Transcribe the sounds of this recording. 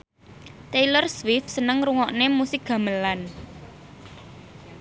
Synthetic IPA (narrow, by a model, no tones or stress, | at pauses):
t̪elərswɪfsənəŋɾuŋɔʔnemusɪk̚ɡ̥ä̤məlan